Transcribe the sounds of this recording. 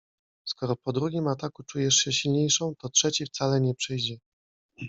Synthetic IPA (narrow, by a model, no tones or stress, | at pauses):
skɔɾɔpɔd̪ɾuɡʲimat̪akut͡ʂujɛʂɕɛɕilɲejʂɔ̃w̃t̪ɔtʂɛt͡ɕift̪salɛɲɛpʂɘjd͡ʑɛ